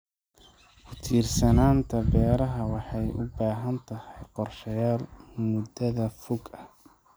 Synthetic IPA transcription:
fʰʊt̪ʰiːrsɐnaːnt̪ʰɐbɛːɾɐɦɐwɑħɑjʔʊ̰baːɦɐnt̪ʰɐhɛjqɔrʃɐjaːlmʊd̪ɐðɐfʊɡɐ

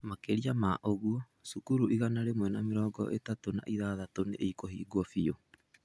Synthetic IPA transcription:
makeɾiamaʔoɣuɔ | sukuɾuʔiɣanaɾemwɛnameɾɔːɡɔ̰ʔḛtatona̰ʔiðaːðatoneʔeikoɦiːɡwɔfio

